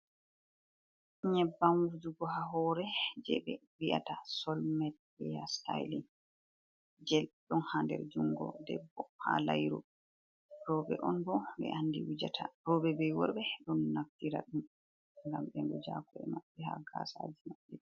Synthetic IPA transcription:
ɲɛbːamwud͡ʒuɡɔɦaɦɔɾɛd͡ʒɛ̰ɓɛwiʔa̰tasɔlmɛt̚ː | ijastajlin | d͡ʒɛlɗɔnhandɛ̰ɾd͡ʒuŋɡɔ̰dɛbːɔha̰lajɾɔ̰ | ɾɔɓɛ̰ʔɔnbɔbɛ̰ʔanːdiwud͡ʒatʰaɾɔɓɛbɛjwɔɾbɛɗɔnːaftiɾa̰ɗum | ŋɡamɓɛndɔd͡ʒakuɛmaɓːɛhaɡasad͡ʒimaɓːɛ

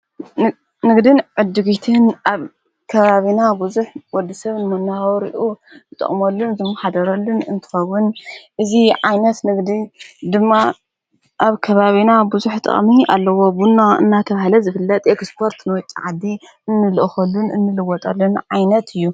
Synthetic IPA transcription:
nɨɡd̪ɨnʕɨd̪ːɨɡit̪ʰɨnaβ | kʰɐβaβinabuzuħwɔd̪ɐsɐβnɨmɐnːawɾḭʔuzɨt̪ʼɐ̰χʼmɐlːunzɨmːɐħad̪ɐɾɐlːunɨnt̪ʰɨ̥xɐwʊnʔɨziʕajnɐt̪nɨɡd̪id̪ɨmːa | ʔaβkʰɐβaβinabuzuħt̪ʼɨ̰χʼmia̰lːɐwo̞bunːaɨ̰nːat̪ʰɐβahlɐzɨfɨlːɐt̪ʼekspʰo̞ɾt̪nɨwɔt͡ʃʼiʕad̪ːi | ɨnːɨlɨʔxɐlːunɨ̰nːɨlɨwɔt̪ʼɐlːunʕajnɐt̪ʰɨjːu

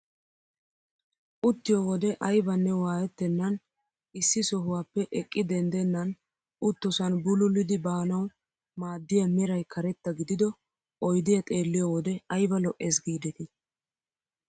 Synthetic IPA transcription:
ʔʊt̪ːɪjɔwɔd̪ɛʔɐjbɐnːɛwaːjɛt̪ːɛnːɐn | ɪsːɪsɔɦʊwaːpːɛʔɛkʼːɪd̪ɛnd̪ɛnːɐn | ʊt̪ːɔsɐnbʊlʊlːɪd̪ɪbaːnɐw | maːd̪ːɪjɐmɛɾɐjkʰɐɾɛt̪ːɐɡɪd̪ɪd̪ɔ | ʔɔjd̪ɪjɐt̪ʼe̞ːlːɪjɔwɔd̪ɛɐjbɐlɔʔːeːsɡiːd̪ɛt̪ɪ

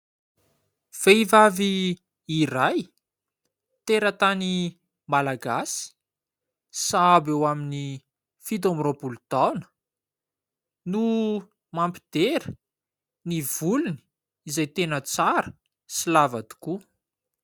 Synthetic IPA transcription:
v̥eivaviː | ɾaj | t̪eɾət̪ani | malaɡasi̥ | sabewamini | fid̪omropult̪awnə̥ | nu | mampi̥d̪̥eɾə | nivuluni̥ | izajt̪enət͡saɾə̥ | silavad̪u̥ku

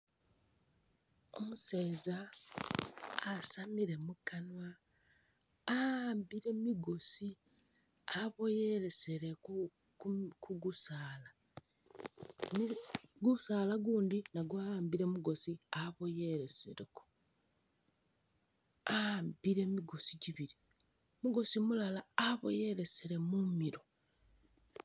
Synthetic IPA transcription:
o̞̰museza | samiɾe̞mukana | ambiɾe̞miɡo̞si | aβo̞je̞ɾe̞seɾe | kʰuɡusaːla | neɡusaːlaɡuːndinaɡwaambiɾe̞muɡo̞siaβo̞jeɾesḛɾeko̥ | ambiɾe̞miɡosiɟiβiɾimuɡo̞simulalaːβo̰je̞ɾeseɾe̞mumiɾo̞

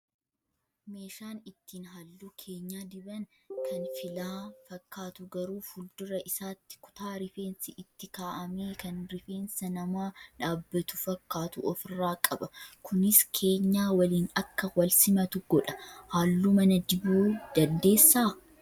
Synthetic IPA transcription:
me̞ːʃaːnɪt̪ʰːiːnɦaːlːuːkʰeːɲːaːd̪ɪbɐn | kʰɐnfɪlaːfɐkːaːt̪ʊɡɐɾuːfʊld̪ʊɾɐʔɪsaːt̪ːɪ̥kʊ̥t̪aːɾɪfe̞ːnsɪʔɪt̪ːɪkaːʔɐmeːkɐnɾɪfe̞ːnsɐnɐmaːᶑaːbːɐt̪ʊfɐkːaːt̪ʊʔɔfɪrːaːkʼɐbɐkʊnɪskʰe̞ːɲːaːwɐliːnɐkːɐwɐlsɪmɐt̪ʊɡɔᶑɐ̥haːlːuːmɐnɐd͡ʒɪbuːd̪̥ɐnd̪e̞ːsːaː

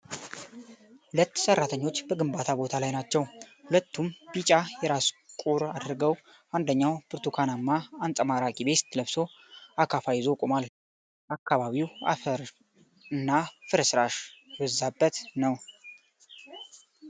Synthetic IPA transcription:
hulət̪ːsərːat̪ʰəɲːo̞t͡ʃːbəɡɨmbat̪ʰabo̞t̪ʰalajnat͡ʃːɛwhulət̪ːumb̥it͡ʃʼajɛɾaskʼuɾad̪ɾɡəw | and̪əɲːawpɨɾt̪ʰukʰanamːaːnt͡sʼəmaɾakʼibe̞st̪ʰləβso̞ | akʰafajɪzo̞kʼomal | ʔakʰːaβaβiwa̰fəɾ | ɨnːafɨɾsɾaʃɛwəzːabːət̪nəw

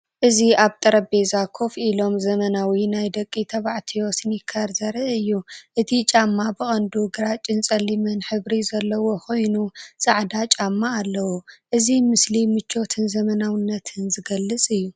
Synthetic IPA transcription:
ʔɨziaβt̪ʼɐɾɐbe̞zakʰo̞filo̞mzɐmɐnawinajd̪ɐkʼːit̪ʰɐβaʕt̪ʰiosnɪkʰɐɾzɐɾɨɨjːuʔɨt̪ʰit͡ʃʼamːabɨxʼɐnd̪uɡɨɾat͡ʃʼːɨnt͡sʼɐlːimɨnħɨβɾizɐlːɐwo̞ko̞jnusʼaʕd̪at͡ʃʼamːaːlːɐwuʔɨzimɨslimɨt͡ʃʰːo̞t̪ʰɨnzɐmɐnawɨnːɐt̪ʰɨnzɨɡɐlːɨt͡sʼɨjːu

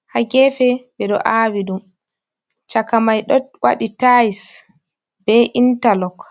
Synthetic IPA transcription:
haɡɛfɛbɛɗɔ̰ʔaːwiɗum | t͡ʃakamajɗɔwʔa̰ɗitais | bɛʔintalɔk

